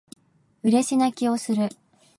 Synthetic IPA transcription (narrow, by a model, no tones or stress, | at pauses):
ɯ̟ɾe̞ɕinakʲio̞sɨɾɯ̟